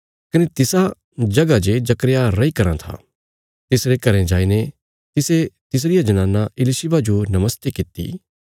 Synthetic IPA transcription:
kɐnet̪ɪsa | d͡ʒɐɡad͡ʒed͡ʒɐkɾjaɾɐikɐɾãt̪ʰa̰ː | t̪ɪsɾekɐɾẽd͡ʒaːine | t̪ɪset̪ɪs̬ɾɪjad͡ʒɐnãːnaɪlɪʃɪbad͡ʒonɐməst̪ekɪt̪ːḭː

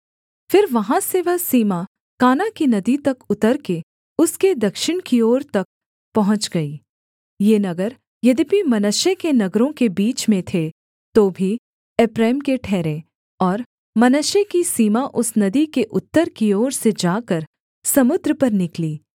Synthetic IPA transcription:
fɪɾʋɐɦãseʋɐɦsiːma | kaːnakinɐd̪it̪ɐkʊt̪əɾke | ʊsked̪ɐkʃɪɽ̃kioːɾt̪ɐk̚ | pɐɦʊ̃t͡ʃɡɐiː | jeːnɐɡəɾ | jɐd̪ibimɐnəʃekenɐɡɾõkebiːt͡ʃmẽt̪ʰe | t̪obʱi | ɛpɾɛːmkeʈʰɛːɾẽ | ɔːɾ | mɐnəʃekisiːmaʔʊsnɐd̪ikeʔʊt̪ːəɾkioːɾsed͡ʒaːkəɾ | sɐmʊd̪ɾəpɐɾnɪkliː

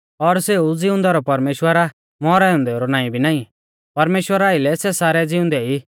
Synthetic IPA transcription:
ɔɾseud͡zɪʊ̃nd̪aɾɔpɐɾmeːʃwəɾa | mɔɾajɔ̃nd̪ɛoɾɔnaːĩbʱinaːĩ | pɐɾmeːʃwəɾaːɪlɛsɛsaːɾɛd͡zɪʊ̃nd̪ɛi

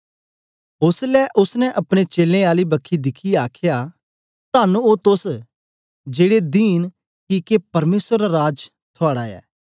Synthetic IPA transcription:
ʊslɛʔʊsnɛʔɐpɽ̃et͡ʃeːlẽaːlibɐkʰːid̪ɪkʰiaːkʰja | t̪aːnũot̪ʊs | d͡ʒeːɽed̪iːn | kikepɐɾmeːsəɾːaɾaːd͡ʒ | t̪ʰɔaːɽaɛ̰ː

